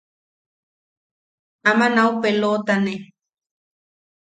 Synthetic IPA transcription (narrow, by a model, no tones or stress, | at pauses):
amanaupelot̪ane